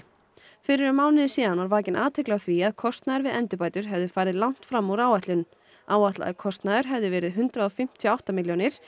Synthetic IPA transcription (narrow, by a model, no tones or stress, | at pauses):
fɪɾɪɾʏmaːwnɪðɪsɛːðanvaɾvaːcɪnʔaːt̪ʰɛklaɣθviaðkʰɔst̪naðʏɾvɪðʔɛnt̪ʏpaːjt̪ʏɾ̥ɦɛvðɪfaːjɾɪðlawn̥t̪fɾamːuɾaːwat̪lʏn | aːwat̪la̰ðɪkʰɔst̪naðʏɾ̥ɦɛvðɪvɛːɾɪðɦʏnt̪ɾaɔfɪm̥t̪ʰjɔawht̪amɪljonɪɾ̥